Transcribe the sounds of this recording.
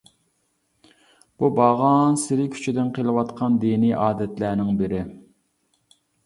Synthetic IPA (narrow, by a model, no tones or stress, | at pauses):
b̥ubɑʁɑnsɪɾɪkʲʰy̥t͡ʃʰid̪ɪnqʰelˠɨwɑt̪qʰɑnd̪iniʔɑːd̪ɛt̪lænɪŋbɪɾɪ